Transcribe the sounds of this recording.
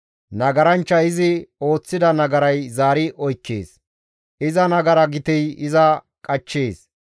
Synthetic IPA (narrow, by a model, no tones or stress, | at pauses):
nɐɡɐɾɐnt͡ʃːɐɪzɪo̞ːt͡sːɪd̪ɐnɐɡɐɾɐjzaːɾɪʔɔjkːḛːs | ɪzɐnɐɡɐɾɐɡɪt̪ɛjɪzɐ | kʼɐt͡ʃːeːs